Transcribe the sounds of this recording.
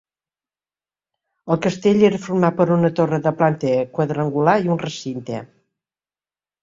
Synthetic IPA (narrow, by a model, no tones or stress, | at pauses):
əlˠkəst̪eʎeɾəfuɾmapəɾunət̪orəðəplant̪əkwəðɾəŋɡulaiunrəsint̪ḛ